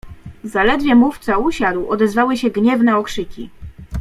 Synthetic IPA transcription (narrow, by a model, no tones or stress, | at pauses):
zalɛd̪vʲjɛmuft̪sauɕad̪wɔd̪ɛzvawɘɕɛɡɲɛvnɛɔkʂɘkʲḭ